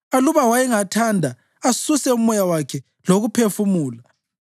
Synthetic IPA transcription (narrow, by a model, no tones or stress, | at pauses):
aluβawajɛŋatʰandʱa | asusɛumɔjawakʰɛ | loɣupʰefumuːla